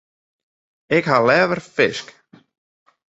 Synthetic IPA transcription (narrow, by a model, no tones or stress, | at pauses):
ɪɣhalɛːvəɾ̥fɪsk